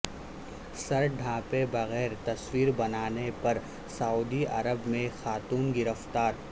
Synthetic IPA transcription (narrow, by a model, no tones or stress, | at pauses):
sɐɾɖʱãːpebɐɣɛːɾt̪ɐswiːɾbɐnaːnepɐɾ | sɐuːd̪iɐ̰ɾəbmẽxaːt̪uːnɡɪɾəft̪aːɾ